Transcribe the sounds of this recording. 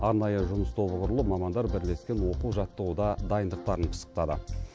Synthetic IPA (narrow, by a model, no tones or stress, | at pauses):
ɑɾnɑjəʒʊməst̪ʰo̞βəʁʊɾəlˠəmɑmɑnd̪ɑɾbɪɾle̞skʲenwo̞quwʒɑt̪ːəʁud̪ɑd̪ɑjənd̪əq̚t̪ɑɾəɴqʰə̥sə̥q̚t̪ɑd̪ə̰